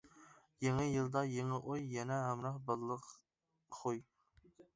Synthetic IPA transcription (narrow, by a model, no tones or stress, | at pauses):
jeŋɪjɨlˠd̪ɑjeŋɪʔojjɛnɛɦɑmɾɑχbɑllˠəq | χʰoj